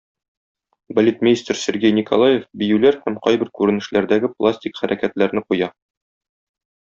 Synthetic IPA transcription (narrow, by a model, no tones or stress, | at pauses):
bɐlʲet̪mʲɪnʲist̪rsʲɘ̆ɾɡʲejnʲikolˠajefbijʉlæɾhæmqɒjbɘ̆ɾkʉɾɘ̆nɘ̆ʃlæɾd̪æɡɘplˠasʲtʲikχæɾʔækæt̪læɾnɘqujɑ